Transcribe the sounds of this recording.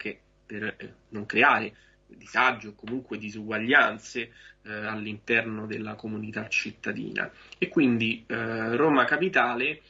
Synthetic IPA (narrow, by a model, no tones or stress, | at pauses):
k̟e | per | noŋkɾeaːɾe | d̪izad͡ʒːookːomuŋkwed̪izuɡwaʎːant̪sealːint̪ɛrnod̪elːakomunit̪at͡ʃːit̪ːad̪ḭːna̰ | ekːwind̪iroːmakapit̪aːle